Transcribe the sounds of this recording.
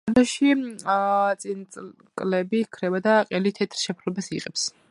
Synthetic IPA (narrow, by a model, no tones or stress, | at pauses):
aɾd̪ɔʃi | t̪sʼint̪sʼ | kʼlɛbikʰɾɛbad̪aqʼɛlit̪ʰɛt̪ʰɾʃɛpʰɾlɔbasiqʼɛps